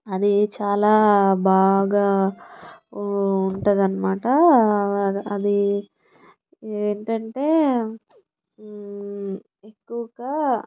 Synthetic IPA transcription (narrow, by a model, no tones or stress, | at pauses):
ɐd̪it͡ʃaːlaːbaːɡaː | uɳʈund̪ɐnːɐmaːʈɐ | ɐd̪i | eːɳʈɐɳʈe̞ː | ekːuʋɐɡaː